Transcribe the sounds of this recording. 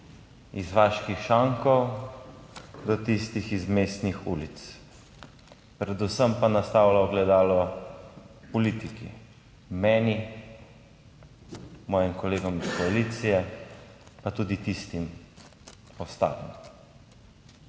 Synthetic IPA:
izʋaːʃkixʃaŋkɔw | d̪ɔt̪ist̪ixizmest̪nixṵːlit̪s | pɾɛd̪usəmpanast̪awlaɔɡlɛd̪aːlɔ | pɔliːt̪ikḭ | mɛːni | mɔːjimkɔleːɡɔmiskɔaliːt̪sijɛ | pat̪uːd̪it̪ist̪im | ɔst̪a̰ːʋḭm

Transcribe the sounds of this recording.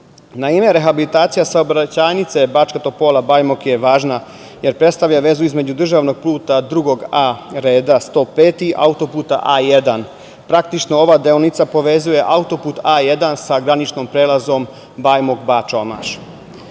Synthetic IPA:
naime̞ɾe̞xabilit̪aːt̪sijasaobɾat͡ɕaːnit̪se̞bat͡ʃkat̪o̞po̞ːlabaːjmokje̞ʋaːʒna | je̞ɾpɾest̪aʋʎaʋe̞zuizme̞d͡ʑud̪r̩ʒaːʋno̞ɡ̥̚plˠuːt̪ad̪ɾuɡo̞ɡaɾe̞ːd̪ast̪o̞ːpe̞ːt̪iʔa̰ut̪o̞puːt̪a̰ʔaːjed̪an | pɾak̚t̪it͡ʃno̞oʋaːd̪eonit̪sapo̞ʋe̞zuje̞ʔaut̪o̞puːt̪aje̞d̪ansaɡɾanit͡ʃnompɾe̞ːlazo̞m | baːjmokbat͡ʃo̞ma̰ʃ

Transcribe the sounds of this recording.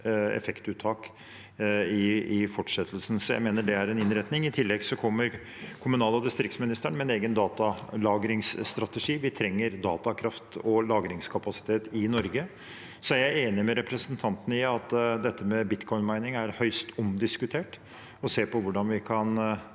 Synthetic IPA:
ɛ̰fɛkt̪ʉːt̪ʰːɑːk | ɪɪfɔʈʂɛt̪ʰːl̩sn̩sɔjæ̰ɪmeːnəɖɛæɾɛnɪnɾɛt̪nɪŋɪt̪ʰɪlːɛɡsɔkʰɔmːəɾ | kʰʊmʉnɑːlɑd̪ɪst̪ɾɪkt̪smɪnɪst̪əɳmɛneːɡənd̪ɑːt̪ɑlɑːɡɾɪŋsst̪ɾɑt̪əʂiːʋɪt̪ʰɾɛŋːəɾd̪ɑ̰ːt̪ɑkʰɾɑft̪ɔlɑːɡɾɪŋskʰɑpɑsɪ̥t̪ʰeːt̪ɪnɔɾɡə | sɔæɾjæɪeːnɪmɛɾɛpɾəsənt̪ʰɑnt̪ənəɪɑt̪d̪ɛt̪ʰːəmɛbɪt̪kʰɔʏnmæɪnɪŋæɾhœʏst̪ʰɔmd̪ɪskʉt̪ʰeːʈ | ɔseːpʰɔʋʊɖɑnʋɪkʰɑn

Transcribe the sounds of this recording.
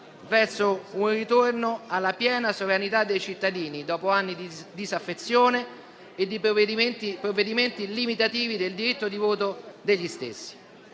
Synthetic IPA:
vɛrsounrit̪ornoalːapjɛːnasovɾanit̪ad̪ːejt͡ʃit̪ːad̪iːnid̪ɔːpoanːid̪id̪izafːet̪sːjoːneː | d̪ːip̪ | pɾovːed̪iment̪ilimit̪at̪iːvid̪eld̪iɾit̪ːod̪ivoːt̪̬od̪eʎːist̪ḛsːi̥

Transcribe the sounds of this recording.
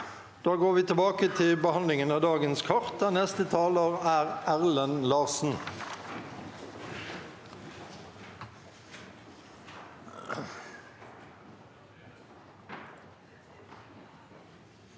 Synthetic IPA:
d̪̥oːɡoːʁʋiːt̪ʰəbɑːkət̪ʰɪlbəhɑnlɪŋənəd̪ɑːɡənskʰɑʁt̪̚ɛnnɛst̪ət̪ʰɑːləʁæːʁʔæʁlənlɑːʁsn̩

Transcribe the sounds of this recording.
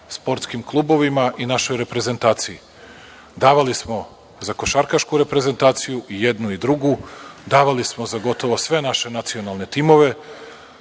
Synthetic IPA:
spo̞ɾt̪skimklˠuːbo̞ʋimaʔinaʃo̞jɾe̞pɾe̞ze̞nt̪aːt̪siji | d̪aːʋalismo̞ | zako̞ʃaɾkaʃkuɾe̞pɾe̞ze̞nt̪aːt̪sijuije̞d̪nuid̪ɾuɡud̪aːʋalismozaɡo̞t̪o̞ʋo̞sʋe̞naʃe̞nat̪sio̞nalˠne̞t̪imo̞ʋe̞

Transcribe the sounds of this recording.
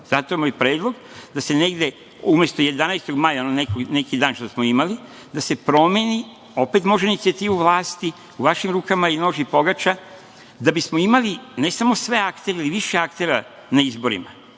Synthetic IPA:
z̥at̪o̞imalipɾe̞ːd̪lˠo̞ɡ | d̪ase̞neɡd̪e̞ | umjest̪o̞je̞d̪anajst̪o̞ɡmajaononekone̞kid̪aːnʃt̪osmoimali | d̪ase̞pɾo̞me̞ni | o̞pet̪mo̞ʒenit̪iat̪iːʋuʋlˠaːst̪i | uʋaʃimɾuːkamaino̞ːʒipo̞ɡat͡ʃa | d̪abismoimaline̞samo̞sʋe̞akt̪e̞ɾeiliʋiʃeakt̪e̞ɾa | naizbo̞ɾḭma

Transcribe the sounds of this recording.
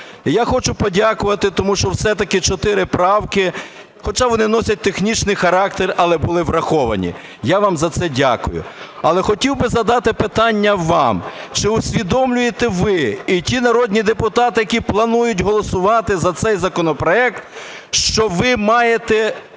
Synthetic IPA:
jaxɔt͡ʃʊpɔdʲakʊʋɐt̪ɪt̪ɔmuʃt͡ʃɔwsɛt̪ɐkɪt͡ʃɔt̪ɪɾɪpɾɑwkɪ | xɔt͡ʃɑʋɔnɪnɔsʲɐt̚ʲt̪exnʲit͡ʃnɪjxɐɾɑk̚t̪erɐlˠɛbʊlˠɪʋɾɐxɔʋɐ̰nʲḭ | jaʋɑmzɐt̪sɛdʲa̰kʊjʊ̰ɐlˠɛxɔtʲiwbɪzɐd̪ɑt̪ɪpɪt̪ɑnʲːɐʋɑmt͡ʃɪʊsʲʋʲid̪ɔmlʲʊjet̪ɛʋɪitʲinɐɾɔd̪ʲnʲid̪epʊt̪ɑt̪ɪjɐkʲiplˠɐnujʊtʲɦɔlˠɔsʊʋɑt̪ɪzɐt̪sɛjzɐkɔnɔpɾɔɛk̚t̪ | ʃt͡ʃɔʋɪmɑjet̪ɛ

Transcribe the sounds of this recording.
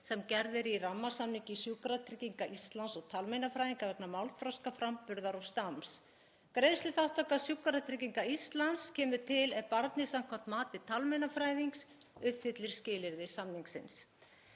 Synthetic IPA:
sɛmcɛɾðɪɾiramːasamniɲcɪsjukaɾat̪ʰɾɪciŋkaʔist̪lansɔɣt̪ʰalmejnafɾajðiŋkavɛknamawlfɾawskafɾampʏɾðaɾɔst̪ams | kɾejslʏθawht̪akasjuːkaɾat̪ʰɾɪciŋkaist̪lanscʰɛːmʏt̪ʰɪlɛðpaɾt̪nɪsamkʰɔm̥t̪maːt̪ɪt̪ʰalmejnafɾaːjðiŋks | ʏfɪt̪lɪɾ̥scɪːlɪɾðɪsamniŋksɪns

